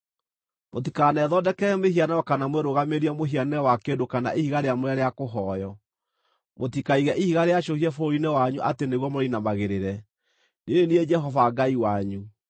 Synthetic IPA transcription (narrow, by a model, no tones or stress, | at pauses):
mot̬ikanɛðɔdɛkɛɾɛmehianaɔkanamweɾoɣameɾiɛmoɦianɛwakedokana̰ʔihiɣaɾeamoɾɛɾeakoɦɔjɔ | motikaiɣɛʔihiɣaɾeaʃohiɛfoinɛwaɲuʔa̰teneɣwɔmoɾinamaɣeɾeɾɛ | nenenied͡ʒɛɦɔvaɡaiwaɲu